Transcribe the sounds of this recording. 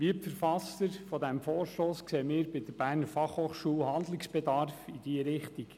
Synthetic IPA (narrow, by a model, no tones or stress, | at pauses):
ʋiəpfəɾfɑstəɾfɔdɛmfoːɾʃtoːskseːəmɪːɾbɪdəɾb̥æːɾnəɾfɑχhoːχʃuːlhɑnd̪lɪksb̥ɛdɑɾfid̥iːəɾɪχt̪iɡ